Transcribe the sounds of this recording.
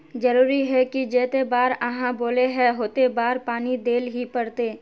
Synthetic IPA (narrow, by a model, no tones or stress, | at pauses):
d͡ʒɐɾuːɾiɦɛkid͡ʒeːt̪ebaːɾɐɦãboːleɦɛɦoːt̪ebaːɾpaːnid̪eːlɦipɐɽt̪eː